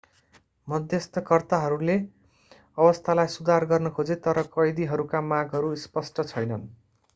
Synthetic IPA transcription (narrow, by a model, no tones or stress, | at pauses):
mʌd̪ʱjʌst̪ʰʌkʌrt̪aɦʌɾule | ʌbʌst̪ʰalajsud̪ʱarɡʌrnʌkʰod͡zet̪ʌɾʌkʌjd̪iɦʌɾukamaɡɦʌɾuspʌsʈʌt͡sʰʌjnʌn